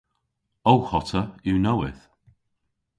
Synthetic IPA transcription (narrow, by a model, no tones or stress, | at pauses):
oʊhɔtəjunowɪθ